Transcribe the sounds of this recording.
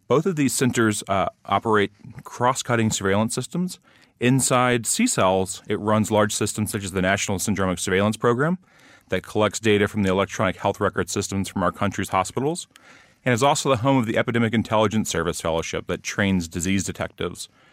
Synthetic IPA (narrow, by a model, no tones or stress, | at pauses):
b̥oʊθʌvðiz̥sɛ̃ntə˞zʔɑ̰pə˞eɪt̚kʰɹ̥ɔskʰʌɾɪ̃ŋsə˞veɪlˠə̃nsɪstə̃mz | ɪ̃nsaɪdsisɛlˠz̥ɨt̚ɹʌ̃nzlɑɹd̥ʒ̥sɪstm̩̥sʌt͡ʃɨzðɨnæʃn̩l̩ˠsɨ̃ndɹɑmɨksə˞veɪlˠə̃nspʰɹ̥oʊɡɹæ̃m | ðɨt̚kʰəlɛk̚tsd̥eɪɾɨfɹʌ̃mðiəlɛk̚tʰɹ̥ɑnɨkhɛlˠθɹɛkə˞d̥sɪstə̃m̩z̥fɹʌ̃maʊə˞kʰʌ̃nt͡ʃɹ̥iz̥hɑspɪɾl̩ˠz̥ | ɨ̃ñɨzɔlˠsoʊðəɦõʊ̃mʌvðiʔɛpɨdɛmɨkɨ̃ntʰɛlˠəd͡ʒɨ̃n̩sɜ˞vɨsfɛ̰lˠoʊʃɪ̰p̚ðɨtʰɹ̥ẽɪ̃nzdɨzizdɨtʰɛ̰k̚tɪ̰vz̥